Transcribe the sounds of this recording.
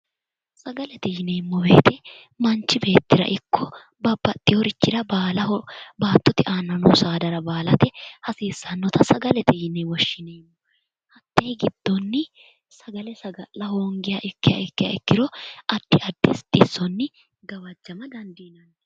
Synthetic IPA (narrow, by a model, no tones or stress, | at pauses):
sɐɡɐlɛt̪ɛjɪnɛmːɔbe̞̰ːt̪ɛ | mɐnt͡ʃːɪbe̞ːt̪ːɪɾɐ̰ʔɪkʰːɔ | bɐbːɐt̪ʼːɪjɔɾɪt͡ʃːɪd̪ɐbaːlɐbaːt̪ːɔt̪ɪʔaːnːɐnɔsaːd̪ɐɾɐbaːlɐt̪ɛhɐsiːsːɐnːɔt̪ɐsɐɡɐlɛt̪ɛjɪnɛwɔʃːɪnejmːɔ | hɐt̪ːejɪɡɪd̪̥ːɔnːɪ | sɐɡɐlɛsɐɡɐlːɐɦoːŋɡɪjaʔɪkːɪjɐ̰ʔɪkːɪjɐ̰ɪkːɪɾɔɐd̪̥ːɪʔɐd̪̥ːɪst̪ʼːɪsːɔnːɪ | ɡɐwɐd͡ʒːɐmɐd̪ɐnd̪iːnɐnː